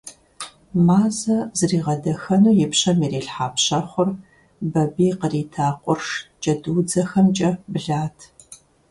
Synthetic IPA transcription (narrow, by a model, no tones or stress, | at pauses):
maːzɐzɨriːʁɐdɐxɐnuːjɪpɕɐmiːɾiːɬħaːpɕɐχʷʊr | bɐbiːqəriːtʰaːqʷʊrʂt͡ʃʼɐduːd͡zɐxɐmt͡ʃʼɐbɨɮaːtʰ